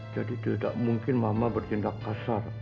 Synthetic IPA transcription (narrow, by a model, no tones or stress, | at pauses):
d͡ʒad̪it̪ed̪a̰ʔmuŋkɪnmamabərt̪ind̪aqːɑsar